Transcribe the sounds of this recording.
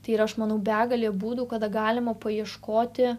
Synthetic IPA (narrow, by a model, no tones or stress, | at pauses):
t̪ɐɪɪɾɐʃmɐnɐʊbʲæːɡɐlʲeːbuːd̪uːkɐd̪ɐɡɑːlʲɪmɐpɐjiɛʃkoːt̪ʲɪ